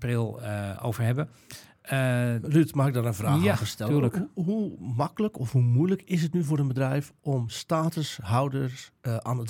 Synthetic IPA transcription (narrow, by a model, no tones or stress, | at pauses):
prɪlˠo̰wvərhɛbə | rytmaxɪɡ̚dɔnənvraːfəstɛlyləkɦumakələkɔfhumujləkɪsətnyvoːrdənbədrɛjfɔmstaːtəsɦawdərsʔanət